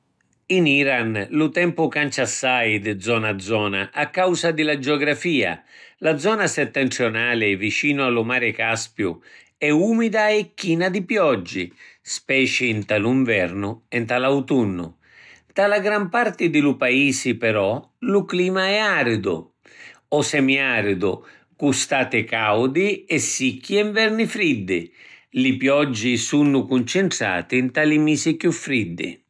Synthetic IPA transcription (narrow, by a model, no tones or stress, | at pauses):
iniɾanlʊt̪ɛmpʊkant͡ʃasːajd̪d̪zɔnad̪zːɔːna̰ʔakːawsad̪ɪlad͡ʒɔɡɾafiːa̰lad̪zɔːnasɛt̪ːɛnt̪ɾjonaːlɪvit͡ʃiːnʊalʊmaːɾɪkaspjʊ̰ | ɛuːmid̪aɛkːiːnad̪ipjɔd͡ʒːɪ̰spɛːt͡ʃɪːnt̪aluɱvɛrnʊɛnt̪alawt̪unːʊ̰ | t̪alaɡɾampart̪ɪd̪ɪlupaiːsɪpɛɾɔ | lʊkliːmaɛaɾd̪ʊ̰ | ɔsɛmiaɾd̪ʊ̰ | kust̪aːt̪ɪkawd̪ɪɛsːikʰːiɛɱvɛɾnɪfɾid̪ːɪlɪpjɔd͡ʒːɪsunːʊkunt͡ʃɪɳʈ̪ɾa̰ːt̪ɪnt̪alɪmisɪkjufːɾid̪ːɪ̰